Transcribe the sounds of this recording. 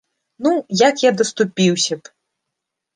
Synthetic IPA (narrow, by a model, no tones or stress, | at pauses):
nujakjad̪ɐst̪upʲiwsʲɐp